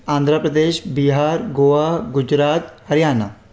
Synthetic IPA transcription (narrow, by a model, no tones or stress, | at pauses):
ãːnd̪ʱɾəpɾəd̪eːʃbiɦaːɾɡoːaːɦɡʊd͡ʒɾaːt̪hɐɾjaːna